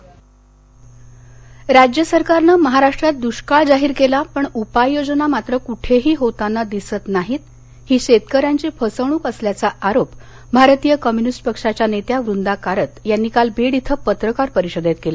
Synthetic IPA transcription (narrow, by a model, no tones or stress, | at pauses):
ɾad͡ʑjəsəɾkaɾnəməɦaɾaʂʈɾat̪̚d̪uɕkaɭd͡zaɦiːɾkelapəɳupajjod͡znamat̪ɾəkuʈʰeɦiːɦot̪anːad̪isət̪naɦiːt̪̚ | hiːɕet̪kəɾjaɲt͡ɕiːfʰəsəɳ̃uːkəsljat͡saʔaɾop | bʱaɾt̪ijəkəmjunisʈpəkʂat͡ɕjanet̪jaʋɾund̪akaɾət̪janːikalbeɽit̪ʰəpət̪ɾəkaɾpəɾiɕod̪ʱet̪kela